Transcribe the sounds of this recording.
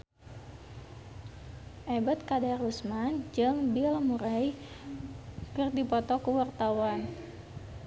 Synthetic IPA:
ʔɛbat̪̚kadarusmand͡ʒɨŋbilmuɾaj | kɨrdipɔt̪ɔkəwart̪awan

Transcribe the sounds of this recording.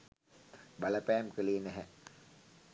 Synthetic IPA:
bɐlɐpæːmkəleːnæɦɛ

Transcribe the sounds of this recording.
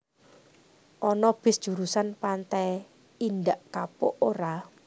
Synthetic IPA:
ʔɔnɔb̥ɪsd̥ʒ̥uɾusanpant̪ɛj | ind̪aʔkapoʔoɾa

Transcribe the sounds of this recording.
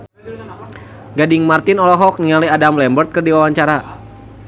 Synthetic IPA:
ɡadɪŋmart̪ɪnɔlɔɦɔk̚niŋaliadamlɛmbərt̪̚kɨrdiwawaɲt͡ʃaɾa

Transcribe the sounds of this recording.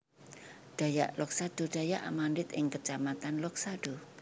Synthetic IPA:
ɖ̥a̤ja̰ʔlɔk̚sad̥oɖ̥a̤jaʔamandɪt̪ɪŋkət͡ʃamat̪anlɔk̚saɖ̥o

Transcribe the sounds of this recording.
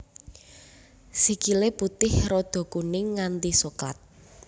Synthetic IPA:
sikileput̪ɪhrod̪̥o̤kunɪŋːant̪isuka̰t̪̚

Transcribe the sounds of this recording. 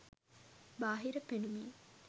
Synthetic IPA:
baːɦiɾəpenumiː

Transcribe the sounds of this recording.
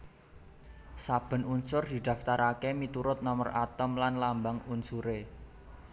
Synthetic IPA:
sab̥ə̤nunsʊrd̪̥i̤d̪̥a̤ft̪aɾakemit̪uɾʊt̪̚nɔmə̰ra̰t̪əmlanlambaŋunsuɾe

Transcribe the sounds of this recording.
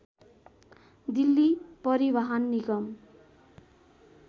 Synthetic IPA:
d̪ilːipʌɾibaɦʌnːiɡʌm

